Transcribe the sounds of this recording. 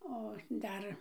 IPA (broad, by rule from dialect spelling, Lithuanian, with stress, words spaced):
oː ˈdɐr